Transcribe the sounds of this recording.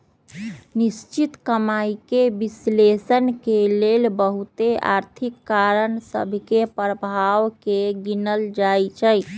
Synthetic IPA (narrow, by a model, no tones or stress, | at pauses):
nist͡ʃit̪kəmaikebislesənkelelbəɦut̪ea̰ɾt̪ʰikːaɾənsə̰bʱkepɾəbʱawkeɡinəld͡ʒajt͡ʃʰəj